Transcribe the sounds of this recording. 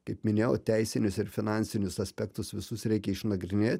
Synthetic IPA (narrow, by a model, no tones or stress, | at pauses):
kɐɪpmʲɪnʲeːjoːt̪ʲɛɪsʲɪnʲʊsɪɾfʲɪnɑnʲsʲɪnʲʊsɐsʲpʲɛkt̪ʊsʋʲɪsʊsɾʲɛɪkʲɛɪʃnɐɡɾʲɪnʲeːt̪ʲ